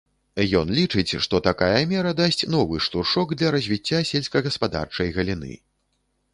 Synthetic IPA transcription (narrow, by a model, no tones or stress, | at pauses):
jɔnlʲit͡ʂɨt͡sʲʂt̪ɔt̪akajɐmʲɛɾɐd̪asʲt͡sʲnɔvɨʂt̪urʂɔɡd̪lʲɐɾɐzʲvʲit͡sʲːasʲɛlʲsʲkɐɣɐspad̪a̰rt͡ʂɐjɣɐlʲinɨ̰